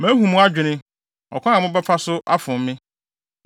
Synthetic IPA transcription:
mæ̃˨˦ɦũ˨mũ˦a˦d͡ʑᶣɪ˨nɪ̃˦ | ɔ̰˨kʰɔ̃˦ã˨mʊ̃˦bɛ˦pʰa˦sʊ˦ʔa˦fʊ̃˨m˦mɪ̃˦

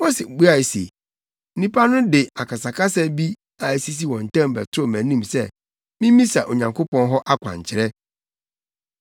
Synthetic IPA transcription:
mo˦se˨bu˦a˦˨sḛ˨˦ | ĩ˦pʰa˦nʊ̃˦dɪ˨a˨ka˨sa˨ka˦sɛ˦bi˦ | a˨si˦s̬i˦wɔ̃˨n̩˨tʰã˦mbɛ˨tʰʊ˦ɾo˦˨mæ̃˨nĩ˦˨msɛ˦˨ | mĩ˦mĩ˦sa˨ʔo˨ɲã˨ŋkʰo˦pɔ̃˦nɦɔ˦ʔa˦kʰʷã̰˨ɲ˨t͡ɕʰɪ˨ɾɛ˦

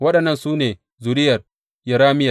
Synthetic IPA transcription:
wɐ˦ɗɐ˨nːɐ˦nsuː˦neː˨ | zu˨ɾɪ˦jɐ˨r | jɐ˨ɾaː˦mɪ˦ja˨

